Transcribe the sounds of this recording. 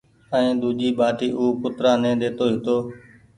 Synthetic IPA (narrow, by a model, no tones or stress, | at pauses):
ə̃ẽːd̪uːʄiːɓaːʈiːʔuːkʊt̪ɾaːnẽːd̪eːt̪oːɦɪt̪oː